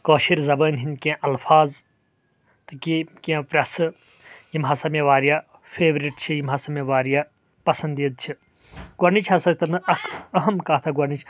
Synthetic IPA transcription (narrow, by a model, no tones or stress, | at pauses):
koːʃiɾzɐbənɦinkẽʔɐlpʰaːz | t̪ɐkikĩpɾʲɐs | jimɦasɐmeʋaːɾija | pʰeːʋɾiʈt͡ʃʰijimɦasɐmeʋaːɾija | pɐsɐnd̪id̪̚t͡ʃʰi | ɡɐɾnit͡ʃʰɐsɐt͡ʃt̪ɐnɐʔɐkʰɐɦɐmkaːt̪ʰɐɡɐnit͡ʃʰ